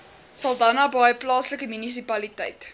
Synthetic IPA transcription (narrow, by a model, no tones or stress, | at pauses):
sɐlˠdɐnɑːbɑjəplɑːsləkəmynis̬ipɐlitɛ̰jt